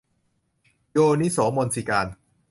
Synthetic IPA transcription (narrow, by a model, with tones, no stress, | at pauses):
joː˧ni˦˥soː˩˦mo˧nsi˨˩kaː˧n